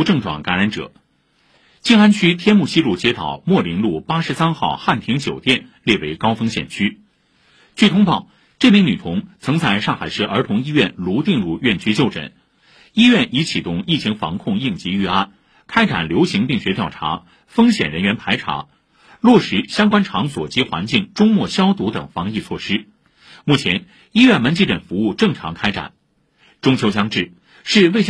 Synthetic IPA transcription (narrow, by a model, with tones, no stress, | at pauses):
ʈ͡ʂɤ˥˩ŋʈ͡ʂwɑ̰˨˩ŋka˧˥nɻa˧˥nʈ͡ʂɤ̰˨˩˦ | t͡ɕi˥ŋa˥nt͡ɕʰy˥t̪ʰjɛ˥nmu˥˩ɕi˥lu˥˩t͡ɕjɛ˥t̪ʰɑ̰˨˩ʊmwɔ˥˩li˧˥ŋlu˥˩pa˥ʂɻ̩˧˥sa˥nxɑ˥˧ʊxa˥˩nt̪ʰi˧˥ŋt͡ɕjo˨˩ʊt̪jɛ˥˧nljɛ˥˩we˧˥ɪkɑ˥ʊfɤ˥ŋɕjɛ̰˨˩nt͡ɕʰy˥ | t͡ɕʰy˥˩t̪ʰʊ˥ŋpɑ˥˩ʊ | ʈ͡ʂɤ˥˩mi˧˥ŋny˨˩t̪ʰʊ˧˥ŋt͡sʰɤ˧˥ŋt͡sa˥˧ɪʂɑ˥˩ŋxa˨˩ɪʂɤ˥˩ʔə˞˧˥t̪ʰʊ˧˥ŋi˥ɥɛ˥˩nlu˧˥t̪i˥˧ŋlu˥˧ɥɛ˥˩nt͡ɕʰy˥t͡ɕjo˥˩ʊʈ͡ʂə̰˨˩˦n | i˥ɥɛ˥˩nʔi˧˥t͡ɕʰi˨˩t̪ʊ˥˩ŋi˥˩t͡ɕʰi˧˥ŋfɑ̰˧˥ŋkʰʊ˥˧ŋi˥˩ŋt͡ɕi˧˥y˥˧a˥˩n | kʰa˥ɪʈ͡ʂa̰˨˩nljo˧˥ʊɕi˧˥ŋpi˥˩ŋɕɥɛ˧˥t̪jɑ˥˩ʊʈ͡ʂʰa̰˧˥ | fɤ˥ŋɕjɛ˨˩nɻə˧˥nɥɛ˧˥npʰa˧˥ɪʈ͡ʂʰa̰˧˥ | lwɔ˥˩ʂɻ̩˧˥ɕjɑ˥ŋkwa˥nʈ͡ʂʰɑ˧˥ŋswɔ˨˩t͡ɕi˧˥xwa̰˧˥nt͡ɕi˥˩ŋʈ͡ʂʊ˥ŋmwɔ˥˩ɕjɑ˥ʊt̪u˧˥t̪ə̰˨˩ŋfɑ˧˥ŋi˥˧t͡sʰwɔ˥˩ʂɻ̩˥ | mu˥˩t͡ɕʰjɛ˧˥n | i˥ɥɛ˥˩nmə˧˥nt͡ɕi˧˥˩ʈ͡ʂə˨˩nfu˧˥u˥˧ʈ͡ʂɤ˥˩ŋʈ͡ʂʰɑ̰˧˥ŋkʰa˥ɪʈ͡ʂa̰˨˩˦n | ʈ͡ʂʊ˥ŋt͡ɕʰjo˥ɕjɑ˥ŋʈ͡ʂɻ̩˥˩ | ʂɻ̩˥˧we˥˩ɪɕ